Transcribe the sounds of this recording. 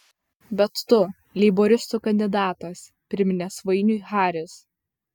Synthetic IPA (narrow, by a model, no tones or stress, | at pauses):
bʲɛt̪ːʊ | lʲiːboːɾʲɪst̪uːkɐnʲd̪ʲɪd̪ɑːt̪ɐs | pʲɾʲɪmʲɪnʲɛsʋɐɪnʲʊxɑːɾʲɪs